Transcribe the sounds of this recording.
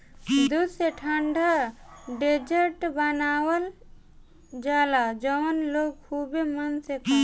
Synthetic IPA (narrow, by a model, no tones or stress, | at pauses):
d̪useʈʰaɳɖʱaɖed͡ʒeʈbanawəl | d͡ʒalad͡ʒɔmɔnlokkʰubemanseka